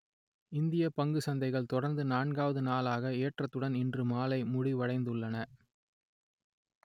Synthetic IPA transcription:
ɪnd̪ɪjɐpɐŋɡɯsɐnd̪ɐɪɣɐɭt̪ɔɽɐɾnd̪ɯnaːɳɡaːʋɐðɯnaːlaːɣɐeːʈrɐt̪ːɯɽɐnɪndrɯmaːlɐɪmʊɽiʋɐɻɐɪnd̪ɯɭːɐnɐ

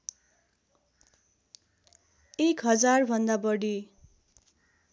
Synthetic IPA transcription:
ekɦʌd͡zarbʱʌnd̪abʌɽi

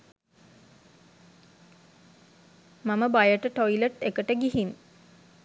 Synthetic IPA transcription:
maməbajəʈəʈoiləʈekəʈəɡiɦin

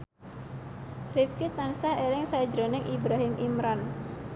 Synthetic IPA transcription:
rif̚kɪt̪̚ansahelɪŋsad͡ʒɾonɪŋʔibɾaɦɪmʔimɾɔn

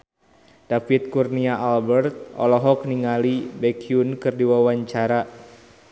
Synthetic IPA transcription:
d̥afit̪̚kurniaʔalbɛrt̪̚ɔ̰lɔɦɔk̚niŋalibɛkʰiunkɨrdiwawaɲt͡ʃaɾa

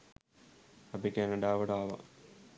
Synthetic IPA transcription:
ɐpikenɐɖaːʋɐɽaːʋɐ̰

